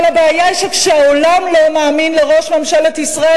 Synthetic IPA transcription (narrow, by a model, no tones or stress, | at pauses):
abeajaiʃekʃeaolamlomaːminleʁo̞ʃmemʃalet̪isʁae